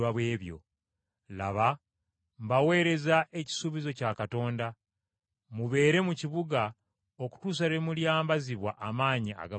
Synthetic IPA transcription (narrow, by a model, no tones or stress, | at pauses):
waβweːβjo̞̰ | la̰βa | mbawe̞ːɾe̞zaʔe̞ci̥suβizo̞caːkato̞ːnda | muβe̞ːɾe̞muciβuɡa | oku̥tuːs̬aɾemuljaːmbaziβwaʔamaːɲia̰ɡa